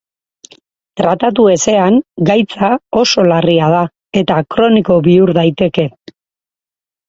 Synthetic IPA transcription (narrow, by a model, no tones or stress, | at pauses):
t̪ɾat̪at̪̬ue̞se̞aŋɡajt͡sao̞so̞lariað̞a | e̞t̪akɾo̞niko̞βiuɾðajt̪e̞ke̞